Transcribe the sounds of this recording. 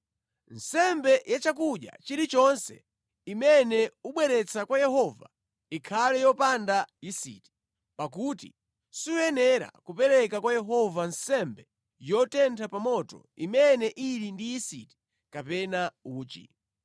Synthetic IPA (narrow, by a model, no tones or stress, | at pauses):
n̩sɛmbɛjat͡ʃak̬uɗja̰t͡ʃiɾit͡ʃɔnsɛ̰ | imɛnɛuɓwɛɾɛt͡sʰakwajɛhɔva̰ | ikʰalɛjɔpandajisḭti̥ | pak̬utḭ | siujɛnɛɾa̰kupɛɾɛkakwajɛɦɔvansɛmbɛ | jɔtɛntʰapamɔtɔ̰ | imɛnɛʔiɾindijisiti̥ | kapɛnauːt͡ʃḭ